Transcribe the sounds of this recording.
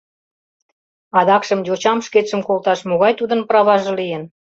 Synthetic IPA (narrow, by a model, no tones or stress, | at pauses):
ɑd̪ɑkʃə̆mjot͡ɕɑmʃkeʃə̆mkolt̪ɑʃmoɣɑjt̪ud̪ənprɑβɑʒɤ̆lijən